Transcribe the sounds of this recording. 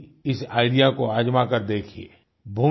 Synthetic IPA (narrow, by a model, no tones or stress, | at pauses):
ɪsaːɪɖijakoaːd͡ʒmakəɾd̪eːkʰiḛː | bʱuː